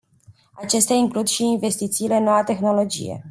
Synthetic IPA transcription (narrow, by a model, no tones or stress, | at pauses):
at͡ʃe̞st̪eaiŋklud̪ʃiinve̞st̪it̪siːle̞nːo̞wat̪e̞xno̞lo̞d͡ʒḭje̞̰